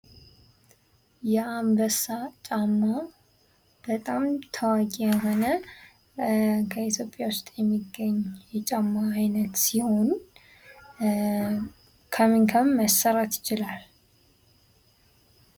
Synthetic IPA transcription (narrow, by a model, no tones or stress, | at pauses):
jɛambəsat͡ʃʼamːa | b̥ət̪ʼamt̪ʰəwakʼijɛɦo̞nə | kʰəit̪jo̞pʼːjawʊst̪ʼjɛmːiɡːəɲjɛt͡ʃʼamːaːjnət̪siho̞n | kʰəmiŋkʰəmːəsːəɾat̪jɪt͡ʃɪlal